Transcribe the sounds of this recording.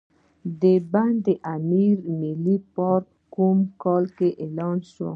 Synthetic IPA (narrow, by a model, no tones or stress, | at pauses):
d̪eband̪eʔamiɾmilipɔɾk̚ | kumkɔlkeʔelɑnʃo̰